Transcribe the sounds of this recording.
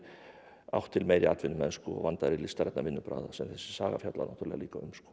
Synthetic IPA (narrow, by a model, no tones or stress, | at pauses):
a̰wht̪ʰːɪlmeːjɾɪat̪vɪnːʏmɛðskɔɔ̰ɣvant̪aðɾilist̪aɾɛt̪navɪnːʏpɾa̰ːðasɛmθɛsːɪ̥saːɣa̰fjawt̪la̰nawht̪ʏɾlɛɣaliːkaʏ̰mskɔ̥